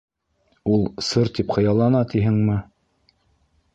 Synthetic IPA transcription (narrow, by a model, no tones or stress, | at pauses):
ulˠsɤɾt̪ipχɤ̆jɑlˠɑnɑt̪iɦɘŋmɘ